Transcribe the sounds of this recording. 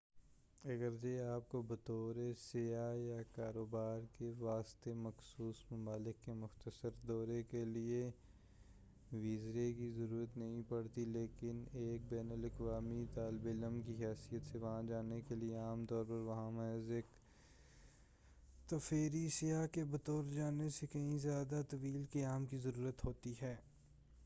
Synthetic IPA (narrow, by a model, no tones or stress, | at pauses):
ɐɡəɾd͡ʒeaːp̚kobɐt̪ɔːɾesɪjajakaːɾoːbaːɾkeʋaːst̪emɐxsuːsmʊmaːlɪkːemʊxt̪əsəɾd̪ɔːɾekelie | ʋiːzɾekizɐɾuːɾət̪nɐɦĩpɐɽt̪ileːkɪneːk̚bɛːnəlɐkʋaːmit̪aːlɪbeləmkiɦɛːsijət̪seʋɐɦãd͡ʒaːnekelieaːmt̪ɔːɾpɐɾʋɐɦãmɐɦzek | t̪ɐfeːɾisɪjakebɐt̪ɔːɾd͡ʒaːnesekɐɦĩzjaːd̪at̪ɐʋiːlkeaːmkizɐɾuːɾət̪ɦoːt̪iɦɛː